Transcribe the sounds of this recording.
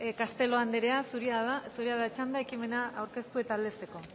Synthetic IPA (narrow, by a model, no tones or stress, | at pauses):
kast̪e̞lo̞and̪eɾeasuɾiaðasuɾiaðat͡ʃand̪ae̞kime̞naawɾke̞st̪ue̞t̪aːld̪e̞se̞ko̞